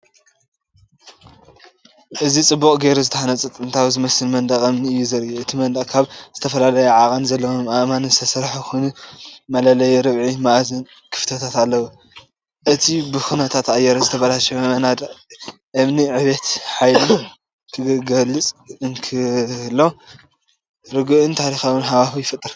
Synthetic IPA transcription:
ʔɨzit͡sʼɨbːukʼɡeɾuzɨt̪ʰɐħanɐt͡sʼɨt̪ʼɨnt̪ʰawzɨmɐsɨlmɐnd̪ɐχʼɨmniɨjːuzɐɾuɨt̪ʰimɐnd̪ɐχʼkʰaβz̥ɨt̪ʰɐfɐlalɐjɛʕakʼɐnzɐlːɐwomaʔmanɨst̪ʰɐsɐɾħxunumɐlɐlɐjɛɾɨβʕimaʔzɨn | kʰɨ̥ft̪ʰɐt̪ʰat̪alːɐwu | ʔɨt̪ʰibɨxunɐt̪ʰat̪ajɛɾɐzɨt̪ʰɐfɐlalʃɐɐnad̪ | ʔɨmniʕɨβet̪ħajlun | kʰɨɡɐlːɨt͡sʼɨnkʰɨlːo | ɾɨɡɨʔɨnt̪ʰaɾixawɨnɦaβafujɪfɨt̪ʼɨɾ

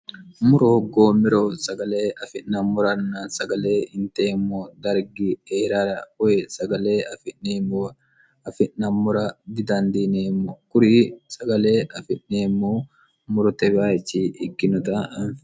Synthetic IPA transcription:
mʊɾɔhɔɡːoːmɪɾosɐɡɐleːɐfɪʔnɐmʊɾɐnːɐsɐɡɐle̞ːhɪnt̪eːmːoːd̪ɐɾɡɪeːɾaːɾɐɔjɛsɐɡɐle̞ːɐfɪnːeːmo | ɐfɪʔɐmʊɾɐd̪ɪd̪ɐnd̪iːneːmːɔkʊɾɪsɐɡɐle̞ːʔɐfɪnːeːmːoː | mʊɾɔt̪ɛbaːjɛt͡ʃːiːʔɪkːɪnʊt̪ɐɐnf

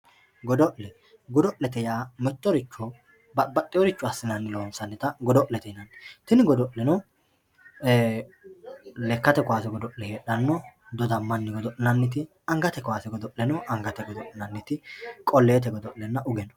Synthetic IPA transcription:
ɡɔd̪ɔʔlɛ | ɡɔd̪ɔʔlɛt̪ɛjaːmɛt̪ːɔɾɪt͡ʃːɔ | bɐbɐt̪ʼːɪjɔɾɪt͡ʃːʊɐsːɪnɐnːɪloːnsɐnːɪt̪ɐɡɔd̪ɔʔlɛt̪ɛnɐnːɪt̪ɪnɪɡɔd̪ɔʔlɛnɔ | lɛkːɐt̪ɛkʊwaːsɛɡɔd̪ɔʔlɛheːɗɐnːɔd̪ɔd̪ɐmːɐnːɪɡɔd̪ɔʔɪnɐnːɪt̪̬ɪ | ɐŋɡɐt̪ɛkʊwaːsɛɡɔd̪ɔʔlɛnɔʔɐŋɡɐt̪ɛɡɔd̪ɔʔɪnɐnːɪt̪ɪkʼɔlːeːt̪ɛɡɔd̪ɔʔlɛnːɐʔʊɡɛnɔ

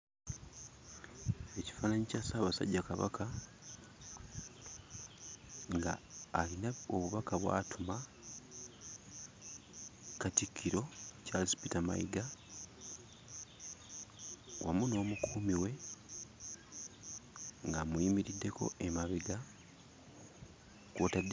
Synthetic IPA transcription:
e̞ci̥faːnaɲicasaːβasa̰ɟːakaβa̰kʰa | ŋɡa̰ːlinao̞βuβakaβwa̰ːtʰuma | katikʰːiɾo̞calispitama̰iɡa | wʔa̰muno̞ːmukʰuːmiwe̞ | ŋɡamuiːmiɾidːe̞ko̞̰e̞maβeɡa | kutadː

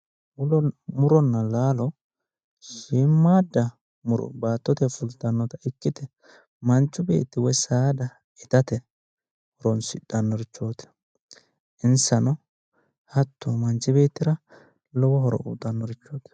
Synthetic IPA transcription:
mʊmʊɾɔnːɐlaːlɔ | ʃiːmːaːd̪ːɐ | mʊɾɔ̰baːt̪ːɔt̪ɛfʊlt̪ːɐnːɔt̪ɐɪkːɪt̪ɛ | mɐnt͡ʃːʊbe̞̰ːt̪ːɪwɔjsaːd̪ɐ | ɪt̪ɐt̪ɛ | hɔɾɔnsɪᶑɐnːɔɾɪt͡ʃːo̞ːt̪ɛ̥ | ʔɪnsɐnɔ | hɐt̪ːomɐnt͡ʃːɪbeːt̪ːɪɾɐ | lɔwɔɦɔɾɔ̰uːt̪ɐnːɔɾɪt͡ʃːoːt̪ɛ̥

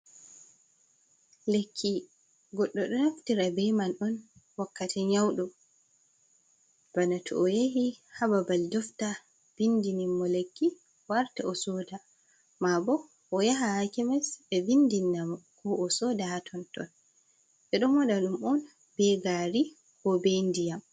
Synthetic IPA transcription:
lekʰːi | ɡɔɗːɔɗɔnaftiɾabɛmanɔnwakːatʰɛɲawɗɔ | b̥anatʰɔ̰ʔɔjehihababaldɔfta | v̥indinimːɔlekːi | waɾtaɔsɔda | mabɔ | ʔɔjaɦahakimɛsɛbindinːamɔkʰɔʔɔsɔdahatʰɔntɔ̰n | ɓɛɗɔmɔɗaɗumɔn | b̥ɛɡaɾi | kɔbendijam

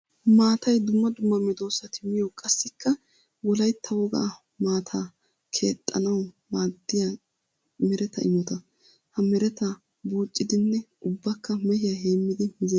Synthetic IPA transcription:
maːt̪ɐjd̪ʊmːɐd̪ʊmːɐmɪd̪o̞ːsɐt̪ʰɪmɪjɔkʼɐsːɪkːɐ | wɔlɐjt̪ʰːɐwɔɡɐ̰ | maːt̪ʰaː | kʰe̞ːt̪ʼːɐ̰nɐw | maːd̪ːɪja | mɛɾɛt̪ɐ̰ʔɪmɔt̪ɐ | hɐmɛɾɛt̪ɐ | buːt͡ʃʼːɪd̪ɪnːɛʔʊbːɐkːɐmɛhɪjɐɦeːmːɪd̪ɪmɪzɛ

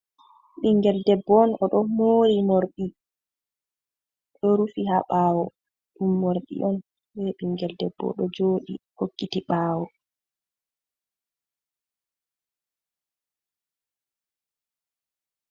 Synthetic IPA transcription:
ɓiŋɡɛldɛbːɔnɔɗɔmoɾimoɾɗi | ɗɔɾufihaɓaːwɔ | ɗumːoɾɗḭʔɔn | bɛɓiŋɡɛldɛbːɔ̰ɗɔd͡ʒoːɗḭhokːitiɓaːwɔ

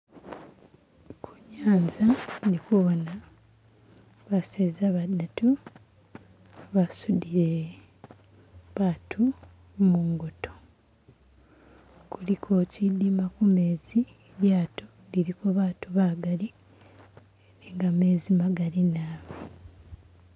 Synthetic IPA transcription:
kʰuɲaːnzanikuβona | βasezaβadatu | βasudiɾe | βaːtʰu | muŋɡoto̥ | kulikʰo̞cidimakume̞ːzi | ljaːto | liɾikoβaːtuβaɡali | eniŋɡame̞ːzimaɡalinaːβo

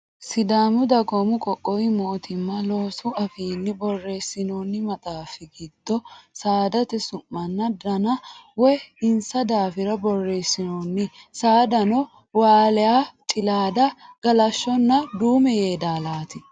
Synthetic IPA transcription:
sɪd̪aːmʊd̪ɐɡɔmʊkʼɔkʼːɔwɪmoːt̪ʰɪmːɐloːsʊɐfiːnːɪbɔrːeːsːɪnoːnːɪmɐt̪ʼaːfɪɡid̪̥ːɔsaːd̪ɐt̪ɛsʊmːɐnːɐd̪ɐnɐwɔɪnsɐd̪aːfɪɾɐbɔrːeːsːɪnoːnːɪsaːd̪ɐnɔ | waːlɛjaːt̪ʼɪlaːd̪ɐɡ̥ɐlɐʃːɔnːɐd̪uːmɛjeːd̪aːlaːt̪ɪ

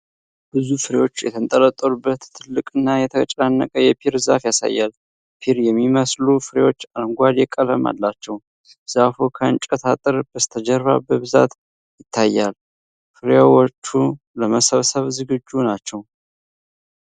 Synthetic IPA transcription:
b̥ɨzufɨɾewo̞t͡ʃːjɛ̰t̪ʰənt̪ʼələt̪ʼːəlubːət̪ʰːɨlːɨkʼɨnːajɛt̪ʰət͡ʃʼanːə̰kʼəjɛpʰiɾza̰fjasa̰jːal | pʰiɾjɛmːiməslufɨɾewo̞t͡ʃːalŋɡʷad̪jɛkʼələma̰lːat͡ʃːɛw | z̥afokʰəɨ̰nt͡ʃʼət̪ʰat̪ʼɨɾb̥əst̪ʰəd͡ʒɛɾːa̰bəβɨza̰t̪ | jɪt̪ʰːajːal | fɨɾawɔt͡ʃːu | ləməsəβsəβzɨɡɨd͡ʒːunat͡ʃːɛw

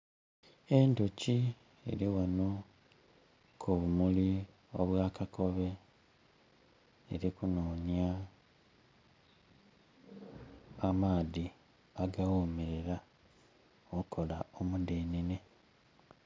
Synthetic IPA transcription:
endoci | ḛɾiwano | kʰoβumuli | o̞̰βwaːkako̞βe̞ | ɾikunoːɲja | maːði | aɡawoːmeɾe̞ɾa | oukʰo̞la̰omudeːnine

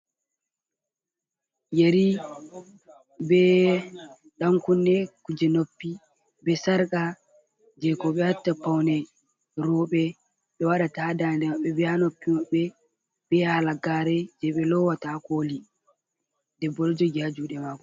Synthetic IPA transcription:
jeɾi | bɛ | ɗaŋkunːɛkud͡ʒɛnopːi | bɛsaɾka | d͡ʒɛkɔɓɛatːapawnɛ | ɾɔɓɛ | ɓɛwaɗatadandɛmaɓːɛbɛanopːimaɓɛ | bɛhalaɡaɾɛd͡ʒɛɓɛlɔwatakoːli | dɛbːɔlɔd͡ʒɔɡad͡ʒuɗɛmaːkɔ

